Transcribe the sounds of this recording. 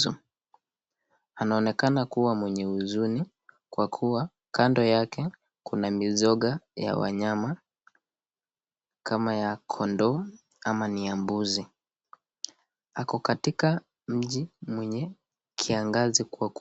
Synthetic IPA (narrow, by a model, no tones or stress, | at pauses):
ṵ | anaɔnɛkanakuwamwɛɲɛuzuni | kwakʰuwa | kandɔjakɛ | kunamizɔɠaja̰wa̰ɲama | kamajakʰɔndɔ | amaniambuzi | akɔkatika | m̩ʄimwɛɲɛ | kʰiaŋɡazikak